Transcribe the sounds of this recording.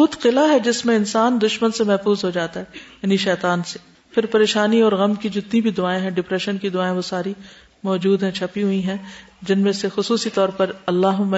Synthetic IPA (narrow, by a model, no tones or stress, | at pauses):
uːt̪qɪlaɦɛd͡ʒɪsmẽɪnsaːnd̪ʊʃmənsemɛɦfuːzɦod͡ʒaːt̪aɦɛjaːniʃɛːt̪aːnse̥ | pʰɪɾpɐɾeːʃaːniɔːɾɣɐmkid͡ʒoɪt̪nibʱid̪ʊaːẽɦɛ̃ɖɪpɾɛʃənkid̪ʊaːẽʋosaːɾi | mɔːd͡ʒuːd̪ɦɛ̃t͡ʃʰɐpiɦuiɦɛ̃d͡ʒɪnmẽsexʊsuːsit̪ɔːɾpɐɾɐlːaːɦʊmːa